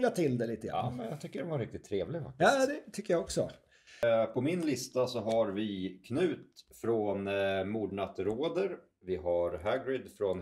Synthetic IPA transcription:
lat̪ʰɪld̪ɛliːt̪əɑ̰mɛnjɑ̰t̪ʰʏkːəɖɛnvaɾɪk̚t̪ɪt̪ʰːɾeːvlɪva̰jɑːd̪ɛt̪ʰʏkːəjaɔksɔ̰ | pʰɔmɪnlɪst̪asɔɦaɾvɪkʰnʉ̟ːt̪fɾonmuːɖ̪ɳat̪ɾoːd̪əɾ | vɪɦaɾɦaɡɾɪd̪fɾɔn

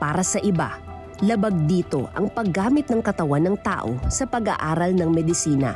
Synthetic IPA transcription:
paːɾɐsɐʔɪba̰ | lɐbɐɡ̚d̪iːt̪o̞̰ʔɐ̰ŋpɐɡːaːmɪt̪̚nɐŋkɐt̪ɐwanːɐŋt̪a̰ːʔo̞̰sɐpɐɡa̰ʔaːɾɐlnɐŋmɛd̪ɪsiːnɐ̰

